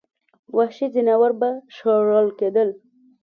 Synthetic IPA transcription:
waʃizinawaɾbaʃoɾəlked̪əl

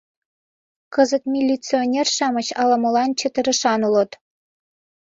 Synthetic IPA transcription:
kəzə̆t̪mʲilʲːit͡sionʲerʃɑmɤ̆t͡ɕɑlɑmɤlɑnt͡ɕĕt̪ə̆ɾə̆ʃɑnulɤt̪

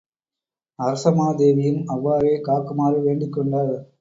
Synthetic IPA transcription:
ɐɾɐsɐmaːd̪eːʋɪjɯmɐʋːaːɾeːkaːkːɯmaːɾɯʋeːɳɖɯkːɔɳɖaːɣɐ

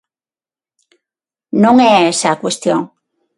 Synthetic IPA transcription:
nõŋeesakwest̪joŋ

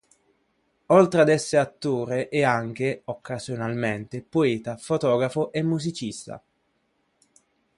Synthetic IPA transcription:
olt̪ɾead̪ɛsːeat̪ːoːɾeʔɛaŋk̟eokːazjonalment̪epoeːt̪afot̪ɔːɡɾafoʔemːuzit͡ʃist̪a̰

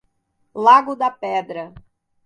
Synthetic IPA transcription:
laɡʊd̪ɐpɛd̪ɾɐ

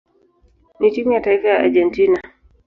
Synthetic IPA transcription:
nit͡ʃiɲjataifajaʔa̰d͡ʒɛntina

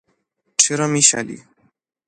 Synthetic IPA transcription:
ʈ͡ʂɘɾɔmʲiɕa̰lʲḭ

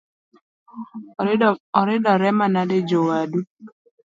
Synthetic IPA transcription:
ɔɾɪdɔɾɛmanaded͡ʒowadu

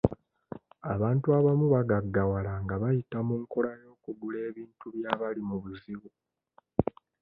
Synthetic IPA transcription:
aβaːntuaβamuβaɡaɡːawalaŋɡaβajitamuŋko̞lajo̞ːkuɡule̞ːβiːntuβjaβalimuβuziβu

